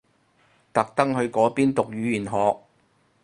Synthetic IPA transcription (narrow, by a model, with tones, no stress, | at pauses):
t̪ɐ˨k̚t̪ɐ˥ŋɦɵ˧ɥkɔː˨˥piː˥nt̪ʊ˨k̚jyː˨˧˥jyː˨˩nɦɔː˨k̚